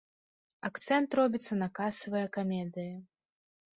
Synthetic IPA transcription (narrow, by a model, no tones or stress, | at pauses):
akt̪sɛnt̪rɔbʲit̪sːɐnɐkasɐvɐjɐkamʲɛd̪ɨjɐ